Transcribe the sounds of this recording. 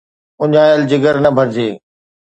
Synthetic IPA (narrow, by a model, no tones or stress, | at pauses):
ʊɲaːjəld͡ʑɪɡəɾnɐbʱɐɾd͡ʑeː